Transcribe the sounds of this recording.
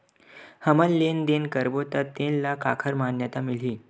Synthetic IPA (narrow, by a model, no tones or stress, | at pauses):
həməlːend̪enkəɾbot̪ət̪ːẽnlakakʰəɾmanjət̪amil̤iː